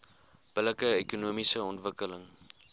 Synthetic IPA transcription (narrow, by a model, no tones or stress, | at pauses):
b̥ələkəekunumisəɔntvəkələŋ